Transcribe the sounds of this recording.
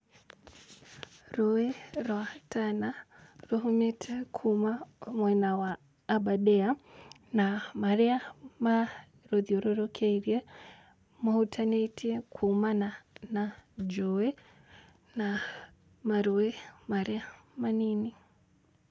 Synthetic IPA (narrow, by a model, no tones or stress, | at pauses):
ɾɔwɛɾɔatʰanaɾɔɦumɛtʰɛkʰumamwɛnawaː | baɗɛa | namaɾɛama | ɾɔðiɔɾɔɾɔkʰaiɾjɛ | mɔhutʰanɛtʰikʰumananad͡ʒɔwɛ | na | maɾɔɛmaɾɛamanini